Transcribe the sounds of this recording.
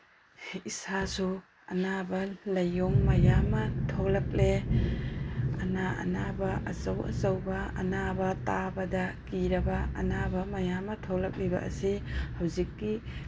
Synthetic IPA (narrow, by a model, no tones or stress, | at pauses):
isasu | ɐnabɐlɐjːoŋmɐjamɐtʰolɐk̚le | ɐnaʔɐ̰nabɐʔɐsɐwɐ̰zɐwbɐɐ̰nabɐtabɐdɐkiɾɐbɐɐ̰nabɐmɐjamɐtʰolɐk̚libɐ̰ʔɐ̰sihawzikːi